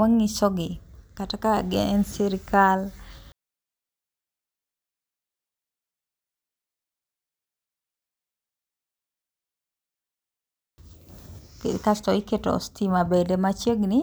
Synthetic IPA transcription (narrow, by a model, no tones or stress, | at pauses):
aŋːisɔɡɪkatakaɡɛɛnsiɾkal | kkastɔiketɔ̰stimabedemat͡ʃeɡnɪ